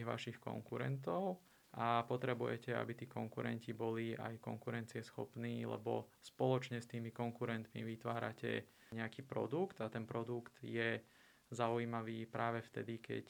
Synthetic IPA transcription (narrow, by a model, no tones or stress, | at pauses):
ɣʋa̰ʃixkɔ̰ŋkuɾɛ̰nt̪ɔʊ | ʔapɔt̪ɾɛbujɛcɛa̰bit̪iːkɔŋkuɾɛ̰ncibɔlia̰jkɔ̰ŋkuɾɛnt͡siɛsxɔpniːlɛ̰bɔ̰spɔlɔt͡ʃɲɛst̪iːmikɔŋkuɾɛnt̪mḭʋit̪ʋaːɾa̰cɛ̰ | ɲɛakiːpɾɔ̰d̪ukt̪at̪ɛnpɾɔd̪ukt̪jɛ | zauimaʋiːpɾaːʋɛft̪ɛd̪ikɛ̰c